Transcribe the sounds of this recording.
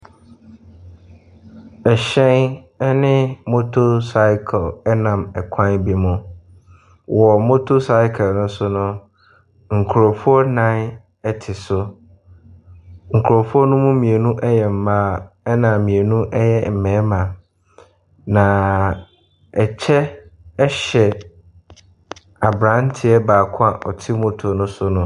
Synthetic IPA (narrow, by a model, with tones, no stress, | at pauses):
ɛ˨ɕɛ̃˦n | ɛ˦nɪ̃˦mo˦tʰo˦sa˦ɪ˦kʰlɛ˦nã˨mɛ˨kʰã˦nbi˦mʊ̃˦ | wʔɔ˨mo˦tʰo˦sa˦ɪ˦kʰə˨nʊ̃˦sʊ˦nʊ̃˦ | ŋ̩˨kʰʊ˨ɾo˨fu˦ɔ˦nã˦ | ɛ˨tʰɪ˨sʊ˦ | ŋ̩˨kʰɾo˨fu˦ɔ˦nʊ̃˦mʊ̃˦mĩ˨e˨nũ˦ʔɛ˦jɛ˨m̩˨mã˦ɛ˦nã˨mĩ˨e˨nũ˦ʔɛ˦jɛ˦m̩˨mɛ̃˨˦mã˨ | nã˨ | ɛ˨t͡ɕʰɛ˦ɛ˦ɕɛ˨ | a˨bɾã˦n˦tʰɪ˨ɛ˦baː˨kʰã˦ʔɔ̰˨tʰɪ˦mo˦tʰo˨nʊ̃˦sʊ˦nʊ̃˦